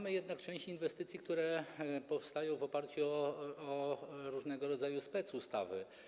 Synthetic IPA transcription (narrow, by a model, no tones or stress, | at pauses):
amɘjɛd̪nakt͡ʂɛ̃ɕt͡ɕinvɛst̪ɘt̪sʲjikt̪uɾɛpɔfst̪ajɔ̃w̃vɔpaɾt͡ɕuɔɾuʐnɛɡɔɾɔd̪zajuspɛt̪sust̪avɘ